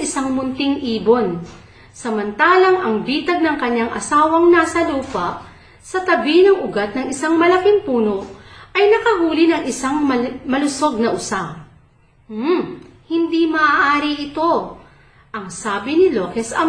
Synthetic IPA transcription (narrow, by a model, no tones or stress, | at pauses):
ʔɪsaŋmʊnt̪ɪŋʔiːbo̞n | sɐmɐnt̪aːlɐŋʔɐŋbiːt̪ɐɡ̚nɐŋkɐɲːaŋʔɐ̰saːwɐŋnaːsɐluːpɐʔ | sɐt̪ɐbinɐŋʊɡat̪̚nɐŋɪsaŋmɐlɐkɪŋpuːno̞ʔɐjnɐkɐhuːlɪnɐŋʔɪsaŋmɐmɐlʊso̞ɡ̚nɐʔʊsa | hɪnd̪imɐʔaʔaːɾɪʔɪt̪o̞ | ʔɐŋsaːbɪnɪlokɛsɐm